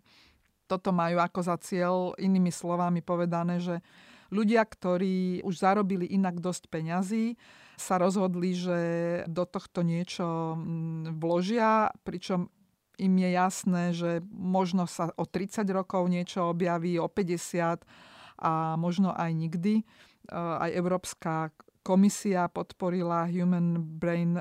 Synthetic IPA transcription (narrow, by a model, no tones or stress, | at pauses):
t̪ɔt̪ɔmajuːakɔzat͡sɪɛlʔiniːmislɔʋamipɔʋɛd̪anɛːʒɛ | ʎuɟɪakt̪ɔɾiːuʒzaɾɔbiliʔinaɡd̪ɔscpɛɲaziː | saɾɔzɦɔd̪liʒɛd̪ɔt̪ɔxt̪ɔɲɪɛt͡ʃɔ | ʋlɔʒɪapɾit͡ʃɔm | imjɛjasnɛːʒɛmɔʒnɔsaʔɔt̪ɾit͡saɟɾɔkɔʊɲɪɛt͡ʃɔɔbjaʋiːɔpɛɟɛsɪat̪ʔamɔʒnɔʔajɲiɡd̪i | a̰jɛʊɾɔːpska | kɔmisiapɔt̪pɔɾilaɦjuːmɛnbɾɛjn